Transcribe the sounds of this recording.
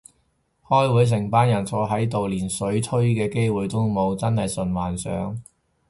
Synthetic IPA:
hɔː˥jwuː˨˥js̬ɪ˨˩ŋpaː˥njɐ˨˩nt͡sʰɔː˧ɦɐ˨˥jt̪̬o˨wliː˨˩nsɵ˨˥ɥt̪ʰɵ˥ɥkɛː˧ke˥jwuː˨jt̪ʊ˥wmo˨˧wt͡sɐ˥nhɐ˨jsɵ˨nwaː˨nsœ̰ː˨˥ŋ

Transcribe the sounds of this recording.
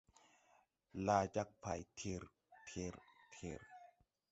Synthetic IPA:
laː˧t͡ɕa˧˦k̚pʰa˨˩jt̪ʰi˧ɾ | t̪ʰi˧ɾt̪ʰi˧ɾ

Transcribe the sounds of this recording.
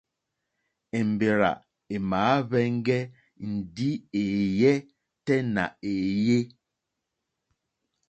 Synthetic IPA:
ɛ˨m̩˨be˨ɾa̰˨ | e˨maː˨˦βɛ˦ŋ˦ɡɛ˦ | n̩˨di˦e˨jɛ˦ | tɛ˦na̰˨e˨je˦

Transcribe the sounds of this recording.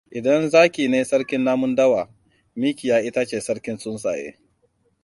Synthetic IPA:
ʔɪ˨dɐ˦nzaː˦kʲiː˨neː˦sɐ˦ɽkʲɪ˦nːaː˦mʊ˦ndɐ˦waː˨ | miː˦kʲɪ˨jaː˨ʔɪ˦ta˦t͡ʃeː˨sɐ˦ɽkʲɪ˦nsʊ˦nsa̰ː˨jḛː˦

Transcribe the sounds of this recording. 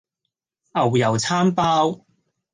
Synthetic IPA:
ʔɐ˨˩wjɐ˨˩wt͡sʰaː˥mpaː˥w

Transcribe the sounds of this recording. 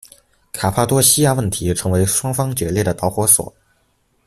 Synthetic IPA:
kʰa˨˩pʰa˥t̪wɔ˥ɕi˥ja˥˧wə˥˩nt̪ʰi˧˥ʈ͡ʂʰɤ˧˥ŋwe˧˥ɪʂwɑ˥ŋfɑ˥ŋt͡ɕɥɛ˧˥ljɛ˥˩d̪ə˩t̪ɑ˧˥ʊxwɔ˧˥swɔ̰˨˩˦

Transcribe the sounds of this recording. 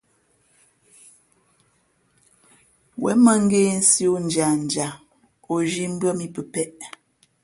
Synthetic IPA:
wɛ̰˨˦mə˦ŋ̩˦ɡeː˦n̩˦si˦o˦n̩˨d͡ʒa˨n̩˨d͡ʒa˨ | o˨ʒi˦m̩˦bə˦mi˦pə˨pɛ˦ʔ

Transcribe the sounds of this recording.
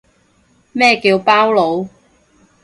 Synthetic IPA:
mɛː˥kiː˧wpaː˥wlo˨˧w

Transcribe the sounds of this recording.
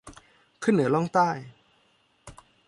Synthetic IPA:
kʰɯ˥˩nːɯ˩˦lɔ˥˩ŋt̪aː˥˩j

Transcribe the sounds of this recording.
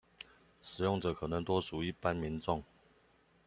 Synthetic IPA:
ʂɻ̩˨˩jʊ˥˩ŋʈ͡ʂɤ˨˩kʰɤ˨˩nɤ˧˥ŋt̪wɔ˥ʂu˨˩i˥˩pa˦nmi˧˥nʈ͡ʂʊ˥˨ŋ

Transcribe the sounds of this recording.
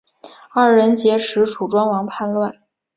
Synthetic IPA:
a˥˩ɻə˧˥nt͡ɕjɛ˧˥ʂɻ̩˧˥ʈ͡ʂʰu˨˩ʈ͡ʂwa˥nwɑ˧˥ŋpʰa˥˧nlwa˥˩n

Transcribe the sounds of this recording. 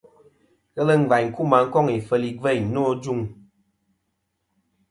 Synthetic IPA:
ɣə˦lə˦ŋ̩˨va˨ɲŋ̩˨ku˦˨ma˨˦ŋ̩˦kɔ˦ŋi˨fə˦˨li˨və˦˨no˦d͡ʒu˦˨ŋ

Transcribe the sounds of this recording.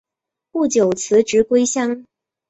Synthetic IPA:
pu˥˩t͡ɕjo˨˩ʊt͡sʰɹ̩˧˥ʈ͡ʂɻ̩˧˥kwe˥ɪɕjɑ˥ŋ

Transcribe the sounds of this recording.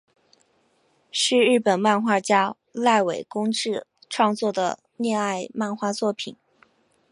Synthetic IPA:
ʂɻ̩˥˧ɻɻ̩˥˩pə˨˩nma˥˧nxwa˥˩t͡ɕja˥ | la˥˩ɪwe˨˩ɪkʊ˥ŋʈ͡ʂɻ̩˥˧ | ʈ͡ʂʰwɑ˥˧ŋt͡swɔ˥˩d̪ə˩ | njɛ˥˧na˥˧ɪma˥˧nxwa˥˧t͡swɔ˥˩pʰḭ˨˩˦n

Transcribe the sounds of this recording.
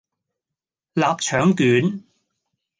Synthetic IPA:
laː˨p̚t͡ʃʰœː˨˥ŋkyː˨˥n

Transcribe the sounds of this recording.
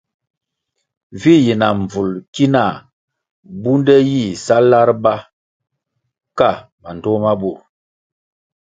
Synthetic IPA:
vi˦ji˨na˨ɱ˨b͡vu˨lki˦na˨ | bu˦ndɛ˦ji˦˨sa˦la˦ɾba˦ | ka˦˨ | ma˨n˨tɔ˦ma˦bu˨ɾ

